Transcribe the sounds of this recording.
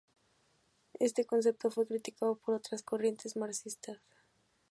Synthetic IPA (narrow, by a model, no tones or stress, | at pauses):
e̞st̪e̞ko̞ns̬e̞p̚t̪o̞fwe̞kɾit̪ikaðo̞po̞ɾo̞t̪ɾasko̞rje̞nt̪e̞zmaɾsist̪as